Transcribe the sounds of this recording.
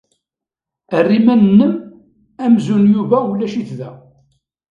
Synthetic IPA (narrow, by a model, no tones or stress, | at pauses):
ərːimænnːəm | æmzunjuvæwlːæʃiθðæ